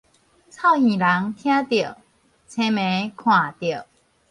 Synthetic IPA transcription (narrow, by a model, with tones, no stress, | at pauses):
t͡sʰa˥˧ʊhĩ˨˩la˨˦ŋt̪ʰj̃ã˦t̪jə˨˩ | t͡sʰe˧˦mẽ˨˦kʰwã˨˩t̪jə˨˩